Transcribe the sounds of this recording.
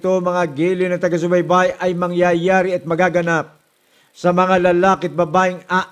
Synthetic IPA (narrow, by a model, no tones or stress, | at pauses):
t̪omɐŋaɡiːlɪnɐŋt̪ɐɡas̬ʊbɐjbajʔɐjmɐŋjajaɾɪɐt̪̚mɐɡaɡɐnap̚ | sɐmɐŋalɐlaːkɪɐt̪̚bɐbaːɪŋa